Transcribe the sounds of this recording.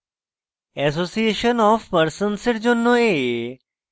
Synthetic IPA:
ɛs̬osieʃənɔfpəɾsənsɪʈd͡ʒonːoe

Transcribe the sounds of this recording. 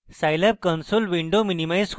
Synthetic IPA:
sajlap̚kənsolʋiɳɖominimajsk

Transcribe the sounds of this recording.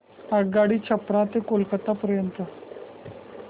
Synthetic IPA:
əɡaɽiːt͡ɕʰəpɽat̪ekolkət̪apəɾjənt̪ə

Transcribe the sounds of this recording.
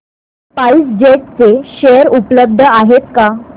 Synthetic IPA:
paisd͡ʑeʈ̚t͡seɕejəɾupləb̚d̪ʱəaɦet̪ka

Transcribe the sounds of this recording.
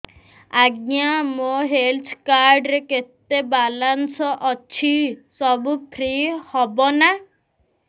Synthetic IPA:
aɡnjamoɦelt̪ʰkaɾɖɾeket̪ːebalansɔʔɔt͡ʃʰisɔbupʰɾihɔbɔna

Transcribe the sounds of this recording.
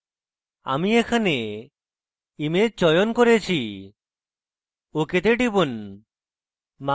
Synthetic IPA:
a̰miekʰane | imet͡ʃɔjonkɔɾet͡ʃʰi | oket̪eʈibun | ma

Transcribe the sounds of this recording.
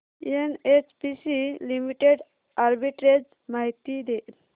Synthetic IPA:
enet͡ʃpisilimiʈeɖ | aɾbiʈɾed͡ʑ | maɦit̪id̪eʔ

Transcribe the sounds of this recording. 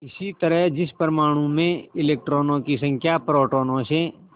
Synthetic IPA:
ɪsit̪əɾəɦd͡ʒɪspəɾmaːɽ̃ũmẽɪleːk̚ʈɾoːnõkisɐ̃ŋkʰjapɾoːʈoːnõsẽ

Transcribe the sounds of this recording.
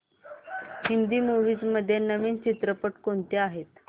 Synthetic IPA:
hind̪iːmuʋiːd͡zməd̪ʱːjenːəʋiːnt͡ɕit̪ɾəpəʈkont̪eaɦet̪

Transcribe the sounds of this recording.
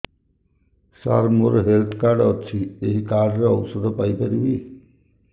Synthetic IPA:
sa̰ɾmoɾɦelt̪ʰkaɾɖɔt͡ʃʰieɦikaɖɾeɔwsɔd̪ʱɔpajpaɾibi

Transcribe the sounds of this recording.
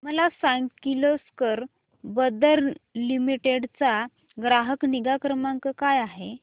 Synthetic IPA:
məlasaŋɡkiloskəɾ | bəd̪əɾlimiʈeɽt͡sa | ɡɾaɦəkniɡakɾəmãŋkəkajaɦe

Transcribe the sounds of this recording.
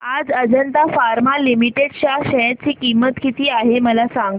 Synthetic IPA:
ad͡zəd͡ʑənt̪afaɾmalimiʈeɽɕaɕɛt͡ɕiːkimːət̪kit̪iːaɦeməlasaŋɡ

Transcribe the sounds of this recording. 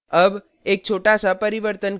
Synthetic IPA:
əb | ek̚t͡ʃʰoʈasapəɾiʋəɾt̪ən

